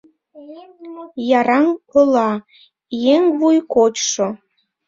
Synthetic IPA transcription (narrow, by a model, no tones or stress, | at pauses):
jɑɾɑŋkolˠɑ | jeŋβujkot͡ɕʃo